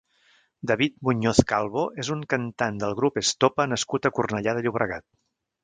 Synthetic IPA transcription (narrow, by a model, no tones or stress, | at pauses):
d̪əβit̪̚muɲoθkalˠβoʔezuŋkənt̪and̪əlˠɣɾupest̪opənəskut̪əkurnəʎaðəʎuβɾəɣat̪̚